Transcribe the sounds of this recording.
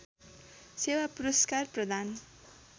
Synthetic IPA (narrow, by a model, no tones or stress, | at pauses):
sewapuɾʌskarprʌd̪an